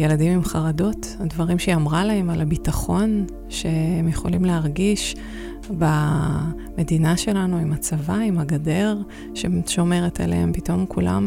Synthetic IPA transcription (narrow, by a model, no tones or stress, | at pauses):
jeladimimχaʁado̞thadvaʁimʃeamʁalahe̞malabitaχo̞n | ʃe̞emjeχo̞̰limleaʁɡiʃ | ba | me̞dinaʃe̞lanuimat͡savaimaɡade̞ʁ | ʃeʃo̞me̞ʁeta̰lḛhempito̞mkʰula̰m